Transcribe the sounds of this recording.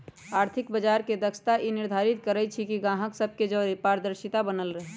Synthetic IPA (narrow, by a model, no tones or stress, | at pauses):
aːɾt̪ʰɪkbəd͡ʒaːɾked̪əksʰt̪aʔinɪɾd̪ʱaːɾɪt̪kəɾət͡ʃʰikiɡãːɦəksəb̚ked͡ʒoːɾipaːɾəd̪əɾʃɪt̪abənəlɾəɦe